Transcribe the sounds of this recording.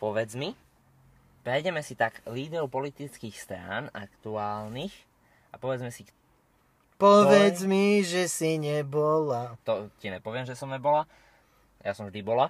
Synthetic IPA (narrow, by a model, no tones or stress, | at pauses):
pɔʋɛd͡zmi | pɾɛjɟɛmɛsit̪aɡliːd̪ɾɔʊpɔlit̪it͡skixst̪ɾa̰ːna̰kt̪uaːlnix | apɔʋɛd͡zmɛsik | pɔʋɛd͡zmiʒɛsiɲɛbɔlat̪ɔciɲɛpɔʋɪɛmʒɛsɔmɲɛbɔla | jasɔmvʒd̪ibɔla